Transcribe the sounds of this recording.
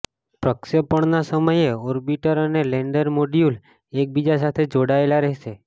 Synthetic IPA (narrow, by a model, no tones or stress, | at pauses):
pɾəkʃəpəɳnasəməjeɔɾbiʈəɾəneleɳɖəɾmoɖiul | ek̚bid͡ʒas̬at̪ʰed͡ʒoɽaelaɾəɦʃe